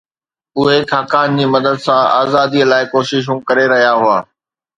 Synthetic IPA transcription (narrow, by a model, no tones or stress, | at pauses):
ʊɦekʰaːkaːnd͡ʑiːmɐd̪əd̪sãa̰ːzaːd̪ilaːɪkoːʃɪʃ̬ũkɐɾeɾɐɦijaɦʊaː